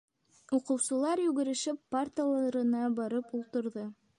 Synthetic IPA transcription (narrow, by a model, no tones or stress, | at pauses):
uqɤ̆wsɤ̆lˠɑɾjʉɡɘ̆ɾɘ̆ʃɘpːart̪lˠɑɾɤ̆nɑbɑɾɤpulˠt̪ɤ̆ɾðɤ